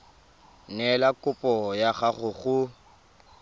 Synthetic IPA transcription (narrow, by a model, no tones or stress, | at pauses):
nɛlakʼʊpʼɔjaχaχʊɣʊ